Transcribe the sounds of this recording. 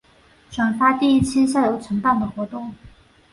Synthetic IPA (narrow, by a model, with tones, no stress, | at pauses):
ʈ͡ʂʰwa˨˩nfa˥t̪i˥˧i˥˩t͡ɕʰi˥ɕ̬ja˥˩jo˧˥ʊʈ͡ʂʰɤ˧˥ŋpa˥˩nd̪ə˩xwɔ˧˥t̪ʊ˥˩ŋ